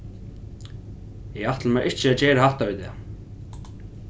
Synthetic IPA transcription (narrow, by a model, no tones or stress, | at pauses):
jɛɣaht̪lmɛɾʔɪht͡ɕɪat͡ɕɛːɾahaht̪avit̪ɛ̰